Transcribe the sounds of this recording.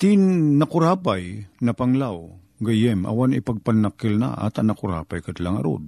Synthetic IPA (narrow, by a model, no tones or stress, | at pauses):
t̪ɪnːakʊɾaːpajnɐpaŋlaw | ɡajɛmʔa̰wanɪpaɡ̚panːakːɪlna̰ʔa̰t̪anakʊɾa̰ːpajkat̪laŋa̰ɾo̰d̪̚